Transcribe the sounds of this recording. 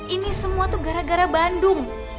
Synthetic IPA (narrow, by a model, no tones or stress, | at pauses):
inisəmuat̪uɡaɾaɡaɾabandʊŋ